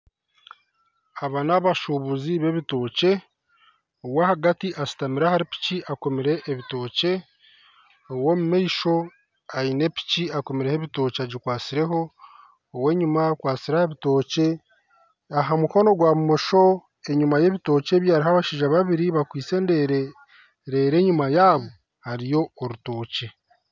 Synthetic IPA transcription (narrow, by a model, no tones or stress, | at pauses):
aβanaβaʃuβuziβe̞βito̞ːce̞ | owahaɡatiʔasi̥tamiɾahaɾipi̥ciʔako̞miɾe̞ʔːβito̞ːce̞ | owo̞mumeiʃo̞ | aine̞pi̥ciako̞miɾe̞heβito̞ːcaɟikwaːt͡siɾe̞ɦo̞ː | we̞ːɲumakwaːt͡siɾaheβito̞ːce̞ | aɦamuko̞no̞ɡwamumoʃo̞ | e̞ɲumaje̞βito̞ːce̞ːβjaːɾiɦaβaʃiːʒaβaβiɾiβakwiːt͡se̞ːndeɾ | ɾe̞ːɾe̞ːɲumajaːβo | haɾijo̞ːɾuto̞ːce̞